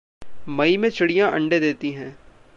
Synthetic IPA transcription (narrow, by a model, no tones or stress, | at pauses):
mɐimẽt͡ʃɪɽijãʔɐ̰̃ɳɖed̪eːt̪iɦɛ̃ː